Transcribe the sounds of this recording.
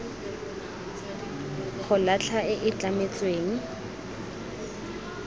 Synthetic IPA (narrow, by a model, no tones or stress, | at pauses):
χʊlat͡ɬʰaɪʔɪt͡ɬamet͡sʼweːŋ̩